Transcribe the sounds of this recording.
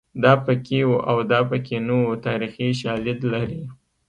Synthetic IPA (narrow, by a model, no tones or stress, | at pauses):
d̪ɑpəkewuʔawd̪ɑpəkenowot̪ɑɾixiʃɑlɪd̪laɾi